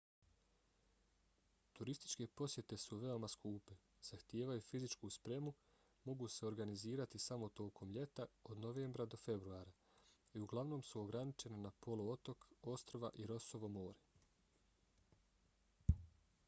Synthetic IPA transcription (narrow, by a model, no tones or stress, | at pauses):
t̪uɾist̪i̥t͡ʃke̞po̞sje̞t̪e̞suʋe̞o̞maskuːpe̞ | z̥axt̪jeːʋajufizit͡ʃkuspɾe̞mu | mo̞ɡuse̞o̞ɾɡaniziːɾat̪isamo̞t̪o̞ːkʰo̞mʎe̞t̪ao̞d̪no̞ʋe̞ːmbɾad̪o̞fe̞bɾuaːɾa | iuɡlˠaʋno̞ːmsuo̞ɡɾanit͡ʃe̞ne̞napo̞loo̞t̪o̞ko̞st̪ɾoʋa̰ʔiɾo̞so̞ʋo̞mo̞ːɾe